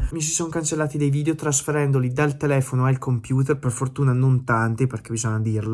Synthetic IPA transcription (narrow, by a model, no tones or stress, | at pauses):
mis̬isɔŋkant͡ʃelːaːt̪id̪ejviːd̪eot̪ɾasfeɾɛnd̪olid̪alt̪elɛːfonoailkʰompjuːt̪erperfort̪uːnanont̪ant̪iperk̟ebizɔɲːad̪iːrlo